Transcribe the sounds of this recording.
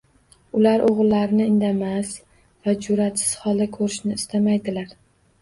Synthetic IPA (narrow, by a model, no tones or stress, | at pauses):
ʊlaɾʔoʁɨlˠːaɾɪnɪɪnd̪amas | vad͡ʒʊɾat̪sɪ̥z̥hɒlˠd̪akʰɵɾɪʃnɪːst̪amajd̪ɪlaɾ